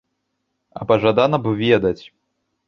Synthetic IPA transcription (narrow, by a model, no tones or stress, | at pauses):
ɐ̰pɐʐad̪anɐbɨvʲɛd̪ɐt͡sʲ